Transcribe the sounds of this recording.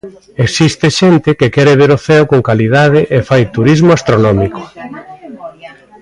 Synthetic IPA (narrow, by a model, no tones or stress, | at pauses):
eksist̪eʃent̪ɪkekɛɾeβ̞eɾoθɛwkoŋkaliðað̞ɪʔefajt̪uɾizmoast̪ɾonɔmiko̥